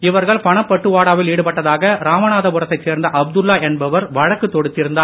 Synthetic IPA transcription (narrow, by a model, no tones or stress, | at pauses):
ɪʋɐɾɣɐɭpɐɳɐpːɐʈːɯʋaːɽaːʋɪliːɽɯpɐʈːɐðaːɣɐɾaːmɐnaːðɐpʊɾɐt̪ːɐɪt͡ʃːseːɾnd̪ɐʔɐb̚d̪ɯlːaːʔɛnbɐʋɐɾʋɐɻɐkːɯt̪ːɔɽɯt̪ːɪɾɯnd̪aː